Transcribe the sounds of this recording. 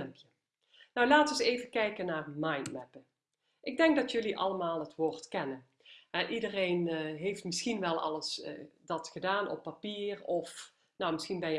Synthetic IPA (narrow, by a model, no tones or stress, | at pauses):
mpjə | nɔwlaːtɔnsejvəkɛjkənaːrmɑjntmɛpə | ʔɪɡ̚dɛŋɡ̚dɑtjɵliʔɑ̰ləmaːlˠɦətʋʊːɹtkɛnə | ɦɛʔidərejnɦejftmɪsxinʋɛlˠɑ̰lˠəsdɑtχədaːnɔ̰pːapiːrɔf | nowmɪsxinbɛnjə